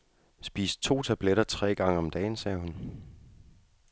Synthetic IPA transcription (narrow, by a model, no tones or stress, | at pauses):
sb̥ḭːs̚t͡sʰo̝̰ːt͡sʰæb̥leɾ̥ɐt͡sʰʁɛ̰ːɡ̥ɑ̈ŋ̰əɒ̽md̥ɛ̰ːɪnsɛːhun